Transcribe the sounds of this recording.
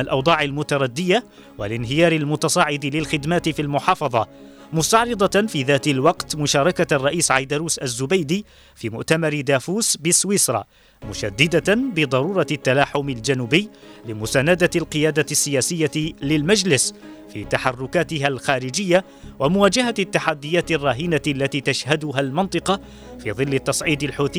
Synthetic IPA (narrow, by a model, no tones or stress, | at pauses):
lʔɑwd̪ˤɑːʕalmʊt̪ɑɾˤɑd̪ːɪja | walɪnɦɪjɑːɾɪlmʊt̪ɑsˤɑːʕɪd̪ɪlɪlxɪd̪maːt̪ɪfilmʊħɑːfɑðˤɑmʊst̪ɑʕɾɨd̪ˤɑfiːðaːt̪ɪlwɑqt̪mʊʃɑːɾˤɑkarˤːɑʔiːsʕajd̪aɾuːsʔazːʊbajd̪iː | fiːmʊʔt̪amɑɾɪd̪aːfuːsbɪswɪsɾˤɑ̰ː | mʊʃad̪ːɪd̪abɪd̪ˤɑɾuːɾˤɑt̪ːalaːħʊmald͡ʒanuːbɪjːlɪmʊsaːnad̪alqɨjaːd̪asːɪjaːsɪjːalɪlmad͡ʒlɪsfḭːt̪aħɑrːʊkaːt̪ɪɦalxaːɾɪd͡ʒɪjːa | wʔamʊwaːd͡ʒaɦat̪ːaħad̪ːɪjːaːt̪ɪrˤːɑːɦinalːat̪iːt̪aʃhad̪ʊɦalmɪnt̪ˤɨqɑ | fḭːðˤɨlːɪt̪ːɑsˤʕiːd̪ɪlħuːθɪ